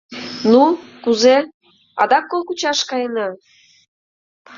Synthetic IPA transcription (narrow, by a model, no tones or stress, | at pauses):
nukuze | ɑ̰d̪ɑkːolˠkut͡ɕɑʃkɑjənɑ